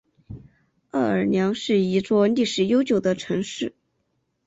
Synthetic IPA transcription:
ə˥˩ə˞˨˩njɑ˧˥ŋʂɻ̩˥˩i˧˥t͡swɔ˥˧li˥˩ʂɻ̩˧˥jo˥ʊt͡ɕjo˨˩ʊd̪ə˦ʈ͡ʂʰɤ˧˥ŋʂɻ̩˥˩

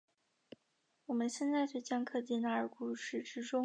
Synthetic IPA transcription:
wɔ˨˩mə˦nɕjɛ˥˧nt͡sa˥˧ɪt͡ɕwe˥˩ɪt͡ɕjɑ˥ŋkʰɤ˥˧t͡ɕi˥˧na˥˩ə˞˨˩ku˨˩ʂɻ̩˥˩ʈ͡ʂɻ̩˥ʈ͡ʂʊ˥ŋ

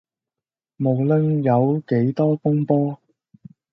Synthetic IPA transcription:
mo˨wlə˧˥ŋjɐ˨˧wke˨˥jt̪ɔː˥fʊ˥ŋpɔː˥

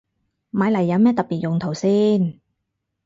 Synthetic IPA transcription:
maː˨˧˥jlɐ˨˩jːɐ˨˧wmɛː˥t̪ɐ˨t̚piː˨t̚jʊ˨˩ŋt̪ʰo˨˩wsiː˥n

